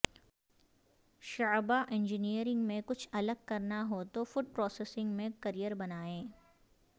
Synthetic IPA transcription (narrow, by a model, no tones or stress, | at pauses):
ʃɐːbaʔɪ̃ɲd͡ʒɪnijəɾɪ̃ŋɡmẽkʊt͡ʃʰɐləɡ̚kɐɾnaɦot̪ofʊʈ̚pɾɔːseːsɪ̃ŋɡmẽkɐɾijəɾbɐnaːẽː